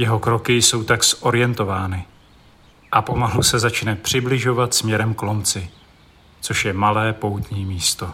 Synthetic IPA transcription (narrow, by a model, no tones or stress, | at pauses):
jɛɦo̞kɾo̞kɪjso̞wt̪aksʔo̞ɾɪjɛnt̪o̞vaːnɪ | ʔapo̞malusɛzat͡ʃnɛpr̝̥ɪblɪʒo̞vat̪smɲɛɾɛmklo̞mt͡sɪ | t͡so̞ʃjɛmalɛːpo̞wt̪ɲiːmiːst̪o̞